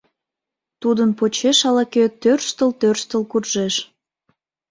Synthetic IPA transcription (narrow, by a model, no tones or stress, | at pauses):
t̪ud̪ənpot͡ɕeʃɑlɑket̪ørʃt̪əlt̪ørʃt̪əlkurʒeʃ